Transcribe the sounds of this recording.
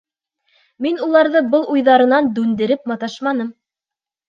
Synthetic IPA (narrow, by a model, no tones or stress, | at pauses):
minulˠɑɾðɤbɤlˠujðɑɾɤ̆nɑnd̪ʉnd̪ɘ̆ɾɘpmɑt̪ɑʃmɑnɤm